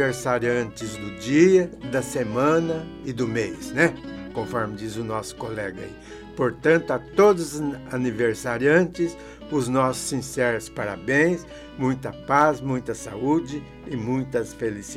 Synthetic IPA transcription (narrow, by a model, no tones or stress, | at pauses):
eɾsaɾiɐ̃nt͡ʃɪzd̪ʊd͡ʒiɐd̪ɐsemɐ̃nɐ | ɪd̪ʊmejsnɛkõfɔɾmɪd͡ʒ̪izɪʊnɔsʊ̥kolɛɡɐ̰i | poɾt̪ɐ̃nt̪ʊat̪od̪ʊzaniveɾsaɾiɐ̃nt͡ʃɪs | ʊznɔsʊ̥sːĩsɛɾʊspaɾa̰bẽj̃s | mũj̃t̪ɐpazmũj̃t̪ɐsa̰ud͡ʒɪ | ɪmũj̃t̪ɐsfelis